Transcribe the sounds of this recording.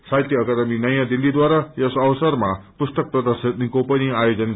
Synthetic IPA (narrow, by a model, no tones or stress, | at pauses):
sajt̪jʌːkad̪ʌminʌjãd̪ilːid̪waɾajesʌwsʌrmapust̪ʌk̚prʌd̪ʌrsit̪nkopʌniajod͡zʌn